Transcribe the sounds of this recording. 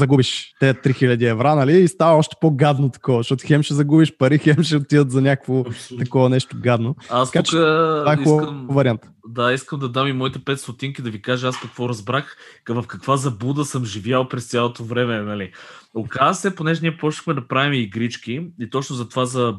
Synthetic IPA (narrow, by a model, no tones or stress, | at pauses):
zɐɡubiʃt̪ɛɐt̪ɾixilʲɐd̪iɛvɾanɐliːst̪avɐɔʃt̪ɛ̥poɡad̪not̪ɐ̥kɔvɐʃɔt̪ʊxɛmʃɛzɐɡubiʃpɐɾixɛmʃɛot̪id̪ət̪zɐnʲakəkvot̪ɐkɔvɐnɛʃt̪ʊɡad̪noasɐkat͡ʃvaɛiubmvɐɾiant̪ | d̪aiskəmd̪ɐd̪amimɔit̪ɛpɛt̪st̪ot̪iŋkid̪ɐvikaʒɛaskɐkvɔɾɐzbɾaxvɐfkɐkvazɐbud̪əsəmʒivjalˠpɾɛst̪sʲjalˠot̪ovɾɛmɛnɐliokazsɛponɛʒɛniɛpɾɔʃnə̥xmɛd̪ɐpɾavimiɡɾit͡ʃkʲiit̪ɔt͡ʃnʊzɐt̪ovazɐ